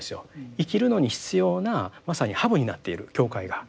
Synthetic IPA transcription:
sɨjo̞̰ikʲiɾɯ̟no̞ɲ̟içi̥t͡sɨjo̞ːnamasaɲ̟ihabɯ̟ɲ̟inat̪ːe̞iɾɯ̟̰kʲo̞ːkaiɡa

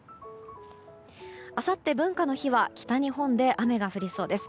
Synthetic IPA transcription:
asat̪ːe̞bɯ̟̃ŋkanoçiβakʲi̥t̪aɲ̟iɦõ̞nd̪e̞ʔame̞ɡaɸɯ̟ɾʲiso̞ːd̪e̞sɨ̥

